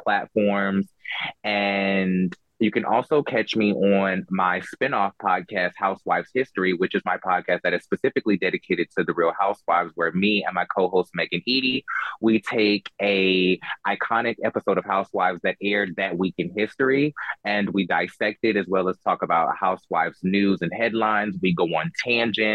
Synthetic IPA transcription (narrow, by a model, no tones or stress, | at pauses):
pʰl̥ætfɔɹmz̥ɨ̃n | jɨkɨ̃nʔɔlˠsoʊkʰæt͡ʃmiʔə̃nmaɪspɪ̃nɔfpʰɑd̚kʰæst̚haʊswaɪv̥hɪstɹ̥iwɨt͡ʃɨzmaɪpʰɑd̚kʰæst̪̚ðɨɾɨz̥spɨsɪfɨklidɛɾɨkʰeɪɾɨd̚tʰɨðɨɹilˠhaʊswaɪvzwə˞miɨ̰̃nmaɪkʰoʊɦoʊst̚mɛɡɨ̃niɾiwitʰeɪkɨʔaɪkʰɑnɨkɛpəsoʊɾʌv̥haʊswaɪvzðɨɾɛɹd̪̚ðɨt̚wikɨ̃nhɪstɹ̥iɨ̃nwidaɪsɛk̚tɨɾɨzwɛlˠəz̥tʰɔkəbaʊt̚haʊswa̰ɪfznʉzɨ̃nhɛdˡlãɪ̃nzwiɡoʊə̃ntʰæ̃nd͡ʒɪ̃n